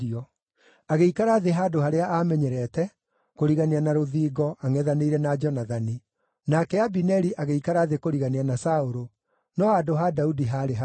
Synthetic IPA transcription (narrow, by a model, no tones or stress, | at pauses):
ɔ | aɣeikaɾaðeɦaːdohaɾeaʔamɛɲɛɾɛtɛ | koɾiɣaneanaɾoðiːɡɔʔaŋɛðaneiɾɛnad͡ʒɔnaðani | nakɛabinɛɾiʔaɣeikaɾaðekoɾiɣaneanasaoɾo | nɔadoɦadaudiɦaɾeɦa